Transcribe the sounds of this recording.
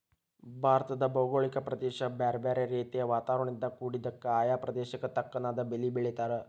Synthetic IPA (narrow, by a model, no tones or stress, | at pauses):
bʱaːɾt̪ɐd̪ɐboːɡoːɭikɐpɾɐd̪eːʃɐbaːɾbeːɾeɾeːt̪ijɐʋaːt̪aːʋɾɐɳind̪ɐkuːɽid̪ɐkːɐaːjaːpɾɐd̪eːʃɐkːɐt̪ɐkːɐnaːd̪ɐbelibeɭit̪aːɾɨ